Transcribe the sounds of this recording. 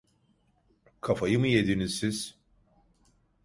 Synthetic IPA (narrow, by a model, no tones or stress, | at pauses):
kʰɐfajɯmɯjed̪inizsiz̥